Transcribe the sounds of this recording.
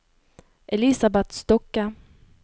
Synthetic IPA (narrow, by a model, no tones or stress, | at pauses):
ʔɛlɪsabɛt̪st̪ɔkːa